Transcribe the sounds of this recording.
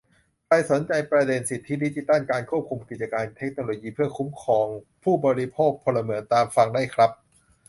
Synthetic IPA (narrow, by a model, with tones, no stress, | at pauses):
kʰɾa˧jso˩˦nt͡ɕa˧jpɾa˧de˧nsi˨˩t̪ʰːi˦˥di˦˥t͡ɕi˧t̪a˥˩nkaː˧nkʰu˥˩əp̚kʰu˧mki˨˩t̪̚t͡ɕa˧kaː˧nt̪ʰe˦˥k̚noː˧loː˧jiː˧pʰɯ˥˩ɐkʰu˦˥mkʰɔː˧ŋ | pʰuː˥˩bɔː˧ɾi˦˥pʰoː˥˩k̚pʰo˧nlːa˧mɯ˩˦ənt̪aː˧mfa˧ŋda˥˩jkʰɾa˦˥p̚